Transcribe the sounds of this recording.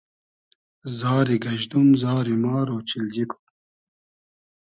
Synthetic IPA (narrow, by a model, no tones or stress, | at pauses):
zaːɾiɡɐʑd̪umzaːɾimaːɾoːt͡ɕild͡ʑikʰu̥